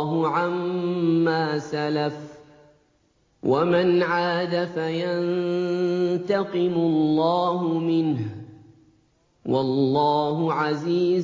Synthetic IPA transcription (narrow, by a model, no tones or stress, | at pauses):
ɦʊʕamː | aːsalaf | wamanʕaːd̪afajan | t̪ɑqɨmʊlːɑːɦʊmɪnh | wɑlːɑːɦʊʕaziː